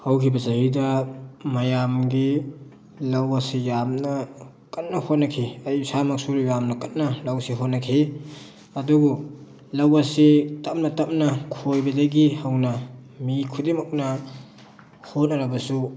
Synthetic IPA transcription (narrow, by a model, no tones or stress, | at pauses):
hɐwkʰibɐzɐɦidɐmɐjamɡi | lɐwasijamnɐ | kɐtnɐhot̚nɐkʰiɐjsamɐk̚suɾujamnɐkɐt̚nɐlɐwsiɦot̚nɐkʰi | ɐduɡu | lɐwɐsitɐp̚nɐtɐp̚nɐkʰojbɐdɐɡihɐwnɐmikʰudimɐk̚nɐ | hotnɐɾɐbɐsu